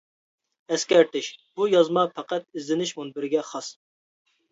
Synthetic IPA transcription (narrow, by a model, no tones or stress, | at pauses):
ɛskʲɛɾt̪ɪʃb̥ujɑzmɑpʰæqɛt̪̚izlɪnɪʃmunbɪɾɡʲɛχɑs